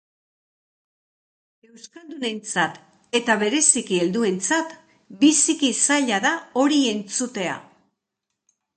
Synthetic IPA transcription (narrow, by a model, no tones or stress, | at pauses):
e̞wskald̪une̞nt͡sat̪ | e̞t̪aβe̞ɾe̞sikie̞ld̪ue̞nt͡sat̪ | bisikisaʎaðao̞ɾie̞nt͡sut̪e̞a̰